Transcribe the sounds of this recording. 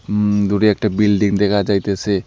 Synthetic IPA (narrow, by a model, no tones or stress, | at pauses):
d̪uɾeɛk̚ʈabilɖiŋd̪ɛkʰad͡ʒajt̪ese